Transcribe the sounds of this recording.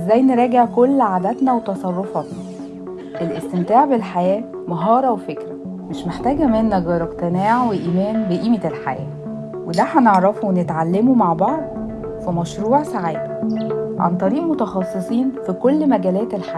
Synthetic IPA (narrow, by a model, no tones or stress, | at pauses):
ʔezːæjneɾˤɑːɡeʕkolːʕaːd̪æt̪næwet̪ɑsˤɑrˤːofɑt̪nɑ | ʔelʔest̪emt̪æːʕbelħajæː | mɑɦɑːɾˤɑwefekɾæ | meʃmeħt̪æːɡæmenːæɡɑːɾˤɑqt̪enæːʕweʔiːmæːnbeʔiːmelħa̰jæ̰ː | wed̪æħæneʕɾˤɑfuwenet̪ʕalːemumaʕbɑʕd̪ˤ | femæʃɾuːʕsaʕiːd̪ | ʕa̰nt̪ˤɑɾiːʔmot̪ɑxɑsˤːesˤiːnfikolːmæɡæːlæːt̪elħaː